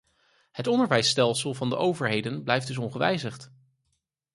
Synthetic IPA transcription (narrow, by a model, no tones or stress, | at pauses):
hətɔndəɹʋɛjstɛlˠsəlˠvɑndəʔowvəɹɦejdənblɛjfd̥ɵs̬ɔnχəʋɛ̰jzəχt